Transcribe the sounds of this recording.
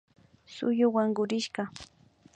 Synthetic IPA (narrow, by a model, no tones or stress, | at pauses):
sʊ̰jʊwaŋɢʊɾɪʃɢɑ